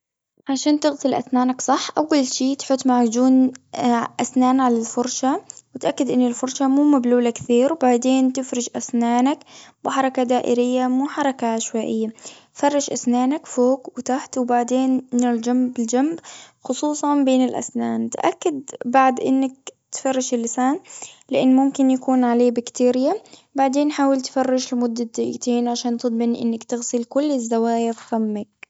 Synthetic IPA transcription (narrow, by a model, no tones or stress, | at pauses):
ʕaʃaːnt̪ɪɣsɪlʔa̰snaːnaksˤɑħːʔawːalʃiːt̪ħʊt̪ˤːmaʕd͡ʒuːn | ʔasnaːnʕalalfʊɾˤʃawɪt̪ʔakːɪd̪ʔɪnːɪlfʊɾˤʃamuːmabluːlakθiːɾwbaʕd̪eːnt̪ɪfɾɪd͡ʒʔasnaːnakbɪħɑɾˤɑkad̪aːʔɪɾɪjːamuːħɑɾˤɑkaʔaʃwaːʔɪjːa | fɑrˤːɑʃʔasnaːnakfoːkwɪt̪aħt̪wbaʕd̪eːnːɪld͡ʒambɪld͡ʒambxʊsˤuːsˤɑnbeːnɪlʔa̰snaːnt̪ʔa̰kːad̪̚baʕd̪ʔɪnːak̚t̪fɑrˤːɪʃɪlːɪsaːnlɪʔɪnːmʊmkɪnjakuːnʕaleːbakt̪eːɾɪjabaʕd̪eːnħaːwɪlt̪fɑrˤːɪʃlɪmʊd̪ːad̪aʔḭt̪iːnʕaʃaːnt̪ɨd̪ˤmɪnʔɪ̰nːakt̪ɪɣsɪlkʊlːɪzːawaːjɪffamːak̚